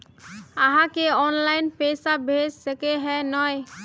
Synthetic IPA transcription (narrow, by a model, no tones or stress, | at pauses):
aɦãkeɔnlajnpesabʱed͡ʒsɛkeɦɛnɔj